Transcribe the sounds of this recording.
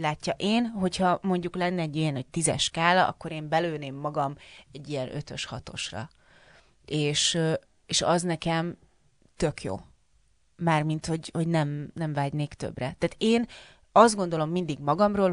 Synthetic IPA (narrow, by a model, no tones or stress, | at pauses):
laːcːɒʔeːnɦo̞chɒmo̞ɲɟuklɛnːɛːɟːijɛnho̞c̚t̪izɛ̰ʃkaːlɒɒ̰kːo̞ɾeːmbɛløːneːmːɒɡɒmɛɟːijɛnø̰t̪ø̞ʃhɒt̪o̞̰ʃrɒ̰ | ʔeːʃ | eːʃɒznɛkɛm | t̪ø̞kjo̰ː | maːrmint̪ho̞ɟho̞ɟnɛmnɛɱvaːɟneːkt̪ø̰brɛt̪aːt̪eːn | ɒzd̪̚ɡo̞nd̪o̞lo̞mːind̪iɡmɒɡɒmroːl